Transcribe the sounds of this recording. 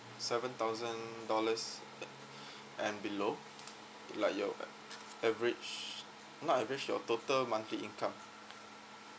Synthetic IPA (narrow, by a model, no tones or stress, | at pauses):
sɛvə̃nt̪aʊzə̃ndɔləs | ʔɛ̃nbilo | laɪkjɔ | ɛvɹit͡ʃ | nɔtɛvɹit͡ʃjɔ̰totəlmãnt̪ɹiĩnkʰãm